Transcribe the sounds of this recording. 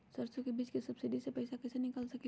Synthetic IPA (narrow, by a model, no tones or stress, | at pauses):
sɐɾsõkebiːd͡ʒkesɐbsɪɖisepɛɪsakɛsenɪkəlsɐke